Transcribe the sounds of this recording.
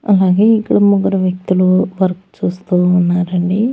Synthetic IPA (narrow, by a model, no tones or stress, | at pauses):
ɐlaːɡeːikːuɽɐmuɡɐɾɐʋjɐk̚t̪uluʋɐɾɐku̥t͡ʃuːst̪uːnːaːɾɐɳɖi